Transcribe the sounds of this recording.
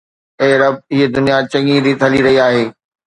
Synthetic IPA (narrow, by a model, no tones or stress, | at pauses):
eːɾɐb̚ɪɦed̪ʊnijat͡ɕɐ̃ŋiɾit̪ʰɐliɾɐɦiaːɦeː